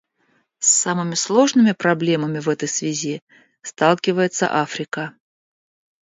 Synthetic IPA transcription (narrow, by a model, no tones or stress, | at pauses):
sːamɨmʲɪslˠo̞ʐnɨmʲɪpɾɐblʲe̞məmʲɪvɛt̪əjsvʲɪzʲi | st̪ɑlˠkʲɪvəjɪt̪sə̰ʔafɾʲɪkə